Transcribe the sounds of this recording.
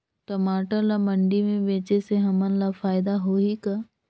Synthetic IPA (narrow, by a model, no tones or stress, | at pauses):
ʈɐmaːʈəlamɐ̃ɳɖimẽbeːt͡ʃeseɦɐmə̃nlafaːɪd̪aɦoːɦika